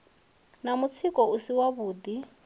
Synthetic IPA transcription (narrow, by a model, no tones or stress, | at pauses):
namut͡sʰikʼɔusiwaβuːd̪i